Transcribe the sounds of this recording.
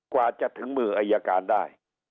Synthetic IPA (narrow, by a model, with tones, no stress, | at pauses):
kwaː˨˩t͡ɕa˨ʔt̪ʰɯ˩˦ŋmɯː˨˩ʔaː˧jːa˧kaː˧ndaː˥˩j